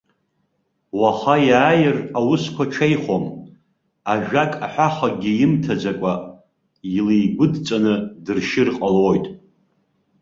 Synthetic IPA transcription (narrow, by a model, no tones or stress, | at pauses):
waχajaːjɪrawʊskʷat͡ʃʷʰejχom | aʒᶣakʼaħʷaχaɡʲijɪmtʰad͡zakʷʼa | ilijɡʷʊdt͡sʼanɨdɨrʃɪrqʼalojtʼ